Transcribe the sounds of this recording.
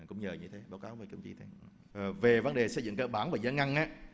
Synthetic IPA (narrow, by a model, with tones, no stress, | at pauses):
kʊ̰˧˥ŋ͡mɲəː˨˩ɲɨ˧t̪ʰe˨˦ɓaː˨˦wkaː˨˦wvəː˨˩kə˧˩wŋ͡mt͡ɕḭ˧t̪ʰe˨˦˨ | ve˨˩və˨˧˦nɗe˨˩sə̰˧jzɨ̰˧˨ŋkəː˧ɓaː˧˦nvaː˨˩zaː˨˦ŋa˧ŋʔaː˨˦˥